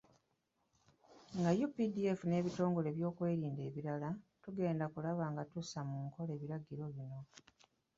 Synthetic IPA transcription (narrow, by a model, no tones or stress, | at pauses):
ŋɡajupidie̞fune̞ːβito̞ːŋɡo̞le̞βjo̞ːkwe̞ːɾiːnde̞ːβiɾalatuɡe̞ːndakulaβaːŋɡatusamuŋko̞le̞ːβiɾaɡiɾo̞βino̞